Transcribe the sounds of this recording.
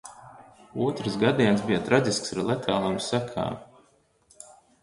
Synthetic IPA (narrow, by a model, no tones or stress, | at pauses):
uɔt̪ɾɨsɡad̪iɛnsbijat̪ɾazʲisksaɾlˠɛt̪ʰaːlˠumsækʰa̰ː